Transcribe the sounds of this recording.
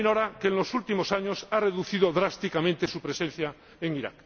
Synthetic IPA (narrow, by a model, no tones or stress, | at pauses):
noɾakeːnlo̞sult̪imosaɲosare̞ðuθið̞oðɾast̪ikamẽnt̪esupɾesẽn̟θja | eŋiɾa̰k